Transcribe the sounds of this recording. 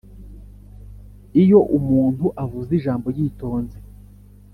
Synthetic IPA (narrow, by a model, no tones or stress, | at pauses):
ijo̞ʔumuːnthuʔavuziʒaːmbo̞jiːto̞ːnze